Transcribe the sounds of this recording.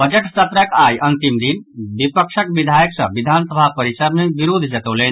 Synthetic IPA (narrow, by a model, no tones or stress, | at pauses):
bəd͡ʒəʈsət̪ɾəkajʔənt̪imd̪inbipəkʃʰəkbid̪ʱajəksə̰ʋid̪ʱansəbʱapəɾisəɾnebiɾud̪ʱd͡ʒət̪olen